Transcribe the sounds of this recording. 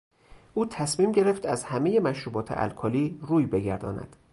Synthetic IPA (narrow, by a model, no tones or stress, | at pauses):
ʔuːt̪ʰæsmiːmɟe̞ɾe̞ft̪æzhæme̞je̞mæʃɾuːbɒːt̪ʰḛʔæ̰lkʰɒːliːruːjbe̞ɟæɾd̪ɒ̰ːnæ̰d̪̥